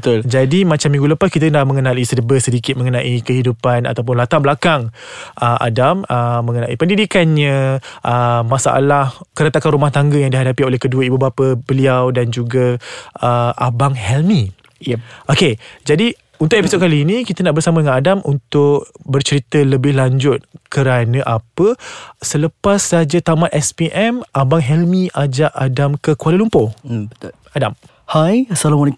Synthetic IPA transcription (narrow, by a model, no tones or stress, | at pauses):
ət̪ʊld͡ʒadimãt͡ʃamːĩŋɡuləpaskit̪ənahmə̃ŋənalisədəbəsədikɪt̪̚mə̃ŋənãʔikəɦidupana̰t̪awp̬ʊnlat̪aŋbəlakaŋʔəʔa̰daməmːə̃ŋənãipəndidikanɲə̃ʔəmasa̰ʔa̰lahkəɾət̪akanɾumaht̪aŋɡəjaŋdiɦadapiolɛhkəduəibubapəbəliawdand͡ʒuɡaəʔabaŋhɛlmĩ | ʔoked͡ʒadi | unt̪ʊʔepisot̚kaliːnĩkit̪ənaʔbərsamədəŋanadamʔunt̪ʊk̚bərt͡ʃəɾit̪ələbɪhlaɲd͡ʒʊt̪̚kəɾanə̃ʔapəsələpasːad͡ʒat̪amaʔɛspiʔɛmʔabaŋɦɛlmĩʔad͡ʒaʔadamkəkualəlumpobət̪ | adam | hajsalamalek